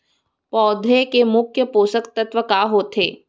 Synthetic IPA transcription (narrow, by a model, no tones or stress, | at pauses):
pɔːd̪ʱekemʊkʰjəpoːsəkt̪ɐt̪ʋəkaːɦoːt̪ʰḛː